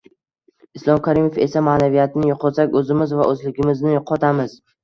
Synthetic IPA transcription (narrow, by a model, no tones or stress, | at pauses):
ɪslˠɒmkʰaɾimefe̞samanavijat̪ʰnɪjʊqʰɒt̪sakʲɵzɪmɪzvaʔɵzlɪɡʲɪmɪznɪjʊqʰɒt̪ʰamɪz̥